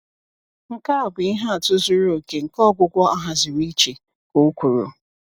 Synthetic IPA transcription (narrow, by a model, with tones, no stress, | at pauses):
ŋ̩˨ka˦a˨bʊ˨i˦ɦa˦a˨tʊ˦zʊ˦ɾo˨ke˨ŋ̩˨kɔ˦ɡʷʊ˦ɡʷɔ˦ʔa˦ɦa˨zɪ˨ɾi˦t͡ʃe˨ | ko˨˦kʷu˨ɾo̰˨